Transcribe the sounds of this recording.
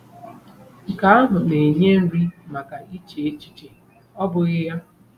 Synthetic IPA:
ŋ̩˨ka˦a˦ɦʊ˨ne˨ɲe˦m̩˦ɾi˦ma˨ka˨i˦t͡ʃe˨e˦t͡ʃi̥˦t͡ʃe˨ | ɔ˦bʊ˨ɣɪ˦ja˦

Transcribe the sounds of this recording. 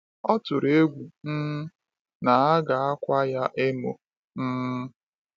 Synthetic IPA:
ɔ˦tʊ˨ɾe˦ɡʷu˨m̩˦ | na˨a˦ɡa˨a˦kʷa˦ja˦ʔe˦mo̰˨ | m̩˦

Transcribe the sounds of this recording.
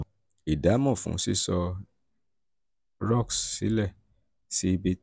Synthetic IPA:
i˨da˨˦mɔ̃˦˨fṵ̃˨˦sḭ˦˨sɔ˧ | ɾɔ˦˨ksːḭ˨˦lɛ˦˨ | si˦i˧bi˧

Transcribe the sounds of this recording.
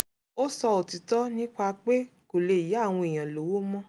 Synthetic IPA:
o˦sɔ˧o˨ti˨tɔ˦nĩ˦k͡pa˧k͡pe˦ko˨le˧i˨ja˦˨w̃ɔ̃˧e˨j̃ã˨lo˨˦wo˦mɔ̃˦

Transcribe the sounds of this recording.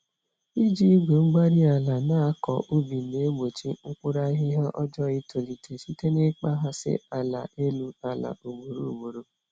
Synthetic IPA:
i˦d͡ʒi˦ɡo˨ŋ͡m̩˦ɡ͡ba˦ɾi˦a˨la˨na˦kɔ̰˨ʔo˦bi˨ne˨˦mo˨t͡ʃi˦ŋ̩˦kʷʊ˦ɾa˦i˦ɦi˦ɦa˦ʔɔ˦d͡ʒɔ˦i˦tʰo˨li˨tʰe˨ʃi˦te˦ne˦k͡pa˦ɦa˦sɪ̰˦a˨la̰˨e˦lu˦a˨la̰˨o˨ɡ͡bo˨ɾo˦˨mo˨ɾo˦

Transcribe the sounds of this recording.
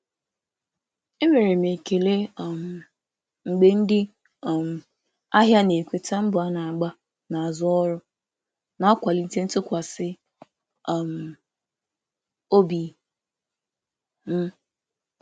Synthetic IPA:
e˦me˨ɾe˨m˨e˨ke˨le˦˨m˨ | ŋ͡m̩˨ɡ͡be˦n̩˦dɪ˦˨ | m̩˨ | a˦ɦja˦ne˨kʷe˨ta˦m̩˦bʊ˨a˦na˨a˨ɡ͡ba˦ | na˨a˨zʊ˦ɔ˦ɾʊ˦ | na˨ɔ˦kʷa˨li˦˨te˦n̩˦tʊ˦kʷa˨sɪ˦˨ | m˨ | o˦bi˨ | m̩˦

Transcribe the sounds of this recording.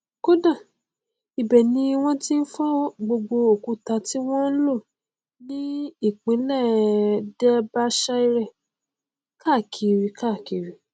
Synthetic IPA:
ko˦dã˦˨ | i˨bɛ˨nĩ˧w̃ɔ̃˦ti˦n̩˦fa˦ɔ˦ɡ͡bo˧ɡ͡bo˧o˨ku˨˧ta˧ti˦w̃ɔ̃˦n̩˦lo˦˨ | nĩ˦i˦˨k͡pĩ˨˦lɛ˦˨dɛ˦ba˦ʃa˦i˧˦ɾɛ˦˨ | ka˦˨kʰi˨ɾi˧ka˦˨ki˨ɾi˨

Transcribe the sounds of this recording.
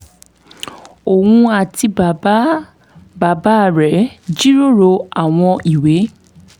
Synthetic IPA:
o˨wũ˧a˨ti˧b | ba˨ba˦˨ɾɛ˨˦d͡ʒi˦ɾo˦˨ɾo˧a˨w̃ɔ̃˧i˨we˨˦

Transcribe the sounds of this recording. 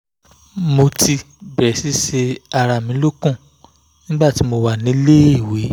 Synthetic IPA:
mo˧tʰi˧ | bɛ˨si˨˦ʃe˧a˧ɾa˧˨mĩ˨˦lo˦kũ˦˨ | nĩ˦ɡ͡ba˦˨ti˨˦mo˧wa˦˨nĩ˨˦le˦i˦˨we˨˦

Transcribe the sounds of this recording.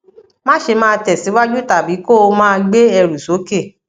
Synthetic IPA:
mã˦ʃe˧mãː˦˧tɛ˨si˨˦wa˦d͡ʒu˦ta˨bi˨˦ko˦o˧mãː˦˧ɡ͡be˦ɛ˧ɾu˨so˨˦ke˦˨

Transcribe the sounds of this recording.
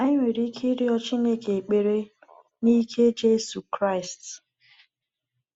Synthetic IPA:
a˦ŋʷe˨ɾi˦kʰi˦ɾi˦ɔ˦t͡ʃi˦ne˦ke˨k͡pe˨ɾe˦ | ni˦kʰe˦d͡ʒe˦su˨kɾa˦ɪ˨st

